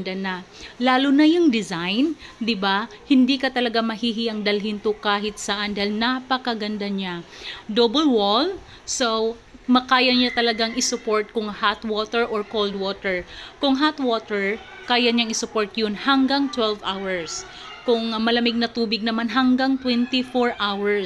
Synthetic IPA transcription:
d̪anɐlaːlʊnɐjʊŋd̪ɪzajnd̪ɪba | hɪnd̪ikɐt̪ɐlɐɡamɐhiɦiʔɐŋd̪ɐlɦint̪ʊkaːɦɪt̪̚sɐʔand̪ailnapɐkɐɡɐnd̪aɲad̪obɐlwol | sow | mɐkaːjɐɲat̪ɐlɐɡaŋɪsʊpoɹt̪̚kʊŋhat̪woːt̪ɛɹʔoɹkold̪woːt̪ɛɹkʊŋɦat̪wot̪ɛɹ | kaːjɐɲaŋɪsʊpoɹt̪jonhɐŋɡaŋt̪wɛlvʔawɛɹs | kʊŋmɐlɐmɪɡ̚nɐt̪uːbɪɡ̚nɐmanɦɐŋɡaŋt̪wɛnt̪ɪfoɹʔawɛɹ

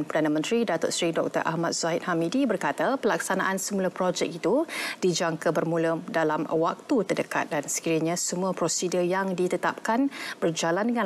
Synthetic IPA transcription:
npərdanəmə̃nt̪ɾidat̪ʊʔsɾidɔk̚t̪ə̰ɾʔa̰hmat̪̚sait̪̚hamidibərkat̪apəlak̚sanaʔansəmuləpɾod͡ʒɛk̚it̪ud̥id͡ʒaŋkəbərmũlədalamwak̚t̪ut̪ərdəka̰t̪̚dansə̥kiɾəɲãsəmũəpɾosidəjaŋdit̪ət̪ap̚kanbərd͡ʒalandəŋã

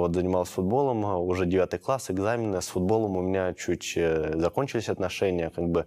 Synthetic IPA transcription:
vo̞t̪zənʲɪmalˠsʲfʊd̪̚bo̞lˠəmʊʐɛdʲɪvʲat̪ɨjklˠasɨɡzamʲɪnəsfʊd̪̚bo̞lˠəmʊmʲɪnʲat͡ɕutʲzɐko̞nʲt͡ɕɪlʲɪsʲɐt̪nɐʂɛnʲɪjəkaɡ̚bɨ

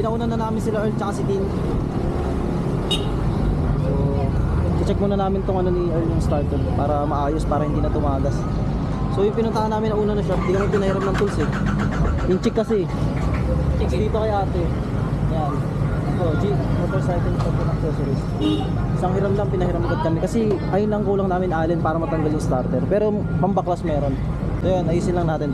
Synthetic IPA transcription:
pɪnɐʔuːnɐnɐnaːmɪnsɪlaʔɛlt͡ʃɐkasɪd̪in | ʔoʔ | kɪt͡ʃɛk̚mʊnɐnaːmɪnt̪oŋɐno̞niʔɛɹjʊŋst̪aɹt̪ɛld̪paːɾɐmɐʔaːjospaːɾɐhɪnd̪iːnɐt̪ʊmaːɡɐs | so̞jʊŋpɪnʊnt̪aʔanːaːmɪnɐʔuːnɐnɐʃad̪ɪɡɐnonpɪnɐhɪɾap̚nɐŋt̪ʊlsɪk̚ | jʊŋt͡ʃɪkːɐsɛ | t͡ʃɪkd̪iːt̪okɐjʔaːt̪ɛ | jan | ɪt̪od͡ʒi | oːt̪ɛɹsajt̪ɪnt̪ɐŋk̪ɐnɐŋsɛsɛɾɪs | ʔɪsaŋhɪɾaplɐŋpɪnɐhɪɾamɡɐd̪̚kɐmɛkɐsɛʔɐjʊnlɐŋkuːlɐŋnaːmɪnʔaːlɛnpaːɾɐmɐt̪ɐŋɡaljʊŋst̪aɾt̪ɛɾpɛːɾo | pɐmbɐklɐsmɛːɾo̞n | sojanʔɐʔiːsɪnlɐŋnaːt̪ɪn

